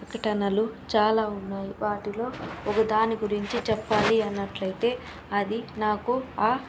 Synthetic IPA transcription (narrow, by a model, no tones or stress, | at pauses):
ɐkɐʈɐnɐlut͡ʃaːlaːunːaːjiʋaːʈilo̞ːɔkɐd̪aːniɡuɾiɲt͡ʃit͡ʃɛpːaːliɐnːɐʈlɐjt̪e̞ː | ɐd̪inaːkuaː